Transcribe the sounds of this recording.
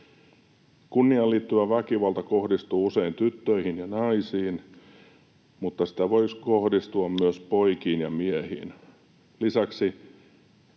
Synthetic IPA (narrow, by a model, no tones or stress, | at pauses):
kunːiɑlːiːt̪ːyʋæʋækiʋɑlt̪ɑkohdist̪uːuseint̪yt̪ːøihinjɑnɑisiːn | mut̪ːɑsi̥t̪æʋoiskohdist̪uɑmmyøspoikiːnjɑmiehḭːn | lisæksi